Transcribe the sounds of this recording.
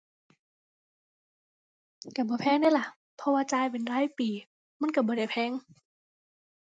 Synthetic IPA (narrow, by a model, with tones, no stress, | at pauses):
ka˧˩bɔː˨˦pʰɛː˧˥ŋda˧˥˨la˧˦ʔ | pʰɔ˧waː˧t͡ɕaː˧jpe˨ndaː˧˥˨jpiː˨˩ | ma˧˥˨nka˧˩bɔː˨˦ɾa˧˩jpʰɛː˧˥˨ŋ